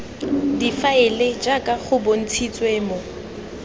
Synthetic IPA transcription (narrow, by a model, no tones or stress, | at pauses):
difaɪled͡ʒakʼaχʊbon̩t͡sʰit͡sʼweːmo